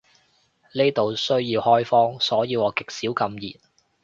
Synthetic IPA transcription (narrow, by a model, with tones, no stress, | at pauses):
le˥jt̪o˨wsɵ˥ɥjiː˧whɔː˥jfɔː˥ŋsɔː˨˥jiː˧wɔː˨˧˥kɪ˨k̚siː˨˥wkɐ˧mjḭː˨˩n̚